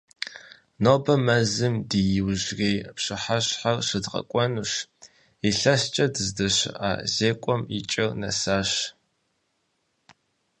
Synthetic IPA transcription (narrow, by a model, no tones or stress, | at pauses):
noːbɐmɐzɨmdijɪwʑreːjpɕɨħaɕħarʂɨdʁɐ̰kʷʼɔnuʂ | iɬɐst͡ʃʼɐdɨzdɨɕa̰ːzeːkʷʼɔmḭt͡ʃʼɐrnɐ̰saːɕ